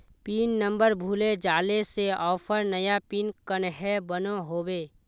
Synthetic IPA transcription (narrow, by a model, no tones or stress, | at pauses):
piːnːə̃mbəɾbʱuːled͡ʒaːleseɔːpʰəɾnəjapiːnkənɦɛbənoɦoːbeː